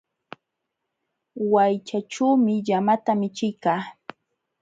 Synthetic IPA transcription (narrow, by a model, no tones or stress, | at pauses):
wajt͡ʃaʈ͡ʂuwmɪʎamat̪amɪt͡ʃɪjkaː